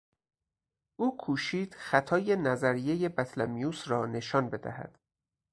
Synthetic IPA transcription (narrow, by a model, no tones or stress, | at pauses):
ʔuːkʰuːʃiːd̪̥xæt̪ʰɒːje̞næzæɾije̞je̞bæt̪ʰlæmijuːsrɒːne̞ʃɒːnbe̞d̪æ̰hæ̰d̪̥